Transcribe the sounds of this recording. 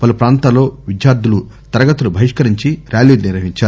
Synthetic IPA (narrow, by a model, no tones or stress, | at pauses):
pɐlupɾaːnt̪aːlːo̞ːʋid̪jaːɾd̪ʱulut̪ɐɾɐɡɐt̪ulubʱɐjiʂkɐɾiɲt͡ʃiɾjaːliːlniɾʋɐɦiɲt͡ʃaːɾu